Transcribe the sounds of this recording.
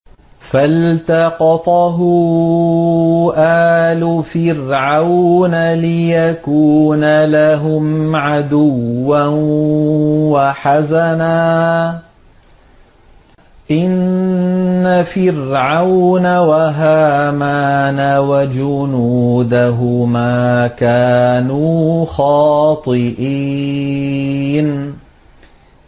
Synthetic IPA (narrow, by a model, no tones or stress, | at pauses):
falt̪ɑqɑt̪ˤɑɦʊ | ʔaːlʊfɪɾʕawnalɪjakuːnalaɦʊmʕad̪ʊwːa | waħazanaː | ʔɪnː | afɪrʕawnawaɦaːmaːnawad͡ʒʊnuːd̪aɦʊmaːkaːnuːxɑːt̪ˤɨʔi | n